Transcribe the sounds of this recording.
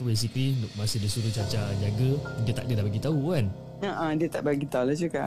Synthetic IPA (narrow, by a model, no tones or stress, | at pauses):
wis̬ipinuʔ̚masɪhdisuɾuht͡ʃat͡ʃaɲaɡədiət̪a̰ʔdiət̪abaɡit̪aukan | ə̃ʔãdiət̪a̰ʔbaɡit̪aulad͡ʒuka̰ʔ